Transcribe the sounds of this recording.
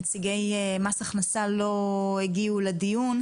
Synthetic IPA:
t͡siɡejmasaχnasalo̞eɡiuledijun

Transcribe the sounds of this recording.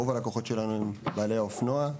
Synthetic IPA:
ovalakoχo̞tʃe̞lanuimbaːle̞jaofnoa

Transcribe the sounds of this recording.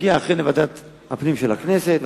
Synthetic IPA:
iaːχʁenevad̪at̪ | hapnimʃelakneset̪v

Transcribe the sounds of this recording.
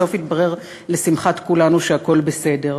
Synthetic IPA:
ofit̪̚baʁe̞ʁ | lesimχatkulanuʃeako̞lbese̞de̞ʁ

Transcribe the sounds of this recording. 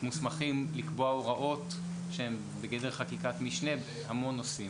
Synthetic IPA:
musmaχimlikbo̞aoʁaʔo̞t | ʃehem | beɡed̪eʁχakikat̪miʃne̞b | hamo̞nːosim

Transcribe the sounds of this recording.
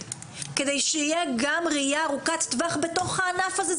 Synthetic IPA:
kedejʃeijeɡamʁijaːʁukat̪ːvaχbeto̞χhaːnafaze

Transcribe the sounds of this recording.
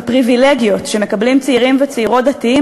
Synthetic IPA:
pʁivileɡijo̞tʃe̞mekablimt͡siiʁimvet͡seiʁo̞t̚d̪atii

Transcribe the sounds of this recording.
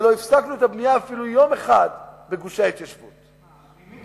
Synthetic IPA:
lo̞ifsaknuet̪abnijaːfilujomeχad̪beɡuʃahit̪jaʃvṵt̪

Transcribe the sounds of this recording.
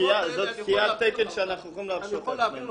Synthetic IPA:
iazot̪kiat̪ːekelʃeanaχnuχimleafʃotme

